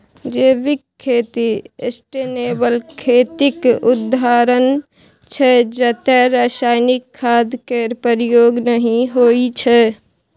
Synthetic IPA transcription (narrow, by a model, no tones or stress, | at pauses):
d͡ʒeːʋɪkʰːeːt̪iesʈeneːbəlkʰeːt̪ɪkʊd̪ʱaːɾən | t͡ʃʰɛd͡ʒət̪ɛɾaːsaːɪnɪkʰːaːd̪ʱkeɾpəɾijoːɡnəɦĩɦoːit͡ʃʰɛ